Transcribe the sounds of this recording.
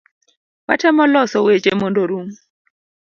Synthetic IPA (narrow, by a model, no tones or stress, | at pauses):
wa̰tʰɛmɔlɔsɔwet͡ʃʼemondoɾuŋ